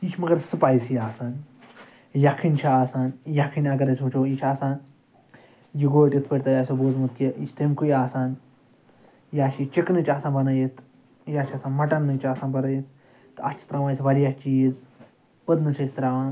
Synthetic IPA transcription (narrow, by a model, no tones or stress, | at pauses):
it͡ʃʰmɐɡɐɾsɨpaːjsjaːsaːn | jakʰint͡ʃʰiaːsaːnjɐkʰinʲɐɡɐɾɐsʲut͡ʃoːit͡ʃʰaːsaːn | jiɡoːʈʲit̪ʰpɐʈʲt̪ɐjaːsʲoboːzmɨt̪kiit͡ʃʰt̪emkʰujaːsaːn | jaːʃit͡ʃiknɨt͡ʃʲaːsaːnbɐnɐjit̪ʰ | jaːt͡ʃʰaːsaːnmɐʈɐnːɨt͡ʃʰaːsaːnbɐɾɐjit̪̚ | t̪ɐt͡ʃʰi̥t̪ɾɐʋaːjsʲʋɐɾjat͡ʃijiz | pəd̪nɨt͡ʃʰɐsʲt̪ɾaːʋaːn